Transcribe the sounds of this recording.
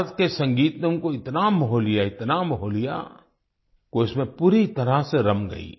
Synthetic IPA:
ət̪kesɐ̃ŋɡiːt̪nə̃koɪt̪namɐɦoːlijaɪt̪namɐɦoːlija̰ | koɪsmẽpuːɾit̪ɐɾaseɾɐmɡɐ̰ḭː

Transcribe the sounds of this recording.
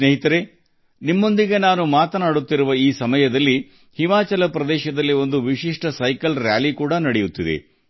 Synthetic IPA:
neːɦit̪ɐɾe | nimːo̞nd̪iɡe̞naːnumaːt̪ɐnaːɽut̪ːiɾuʋɐiːsɐmɐjɐd̪ɐlːi | himaːt͡ʃɐlɐpɾɐd̪ɛːʃɐd̪ɐlːio̞nd̪uʋiʃiʂʈɐsɐjkɐlɾjaːlikuːɽɐnɐɽejut̪ːid̪e̞̰

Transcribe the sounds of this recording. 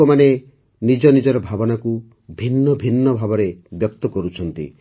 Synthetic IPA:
ɔmane | nid͡ʒɔnid͡ʒɔɾɔbʱabɔnaku | bʱinːɔbʱinːɔbʱabɔɾebjɔk̚t̪ɔkɔɾut͡ʃʰɔnt̪ḭ

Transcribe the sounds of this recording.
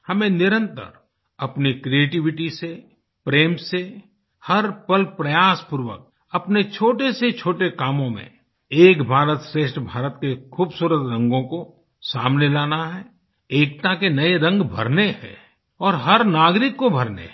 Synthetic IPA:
hɐmẽnɪɾə̃nt̪ə̰ɾ | ɐpnikɾieːʈɪʋɪʈise | pɾeːmse | hɐɾpəlpɾɐjaːspʊɾwə̰k̚ | ɐpnet͡ʃʰoːʈeset͡ʃʰoːʈekaːmõmḛ̃ | eːkbʱaːɾət̪ʃɾeːʃʈbʱaːɾət̪kekʰuːbsuːɾət̪ɾɐ̃ŋɡõko | saːmnelaːnaɦɛ | eːk̚t̪akenɐeɾɐ̃ŋɡbʱɐ̰ɾneɦɛ̰ː | ɔːɾɦɐɾnaːɡɾɪkːobʱəɾnḛ

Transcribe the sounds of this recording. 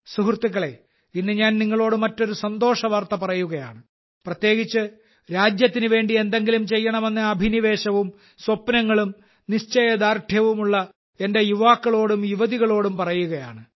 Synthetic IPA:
suɦrt̪ːikːɐɭe̞ | inːɨɲaːnniŋːɐɭo̞ːɽɨmɐtːo̞ɾusɐnd̪o̞ːʂɐʋɐrt̪ɐpɐrɐjuɣɐja̰ːɳɨ | prɐt̪je̞ːɡit͡ɕːɨ | ɾaːd͡ʑjɐt̪ːinɨʋe̞ːɳɖie̞nd̪e̞ŋɡilumt͡ɕe̞jːɐɳɐme̞nːɨɐbʱiniʋe̞ːɕɐʋum | swɐpːnɐŋːɐɭum | niʂt͡ɕɐjɐd̪aːrʈʰjɐʋumuɭːɐ | e̞nde̞juʋaːkːɐɭo̞ːɽumjuʋɐðiɣɐɭo̞ːɽumpɐrɐjuɣɐja̰ːɳɨ

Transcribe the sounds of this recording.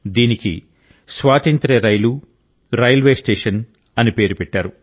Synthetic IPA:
d̪iːnikḭ | sʋaːt̪ɐnt̪ɾeɾɐjlu | ɾɐjlʋe̞ːsʈeːʂɐn | ɐnipe̞ːɾupɛʈːaːɾu

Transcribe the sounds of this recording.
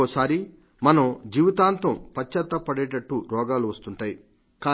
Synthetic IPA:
oːsaːɾi | mɐnɐmd͡ʒiːʋit̪aːnt̪ompɐt͡ʃːɐt̪ːɐpɐɽɛːʈɐʈːuɾɔːɡaːluʋɐst̪uɳʈaːji | kaː

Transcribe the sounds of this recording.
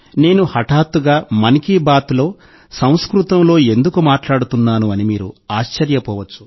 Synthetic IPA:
ne̞ːnuhɐʈaːt̪ːuɡaːmɐnikibaːt̪lo̞ː | sɐ̃w̃skɾut̪ɐmlo̞ːe̞nd̪ukumaːʈlaːɽut̪unːaːnuɐnimiːɾṵaːʃt͡ʃɐɾjɐpɔːʋɐt͡ʃːu̥

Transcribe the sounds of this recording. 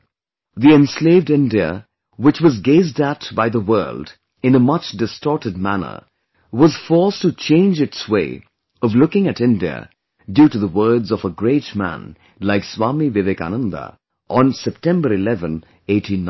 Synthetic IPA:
ðiɨ̃nsleɪvdɪ̃ndiə̰ | wɨt͡ʃwʌzɡeɪzdətb̥aɪðəwɜ˞lˠd | ɨ̃nəmʌt͡ʃd̥ɨstɔɹɾɨd̚mænə̰˞ | wʌz̥fɔɹstɨt͡ʃʰẽɪ̃nd͡ʒɨtsweɪ | ʌvlʊkɪ̃ŋɨɾɪ̃ndiɨ̰ | djʉɾɨðəwɜ˞dzʌvəɡɹeɪt͡ʃmæ̰̃n | laɪkswɑmiveveka̰nʌ̃nd̪ə̰ | ʔnsɛp̚tʰɛ̃mbə˞ɨlɛvɨ̃n | eɪtʰĩn

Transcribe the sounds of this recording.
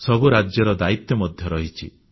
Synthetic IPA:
sɔbuɾad͡ʒjɔɾɔd̪ait̪jɔmɔd̪ʱjɔɾɔɦit͡ʃʰḭ

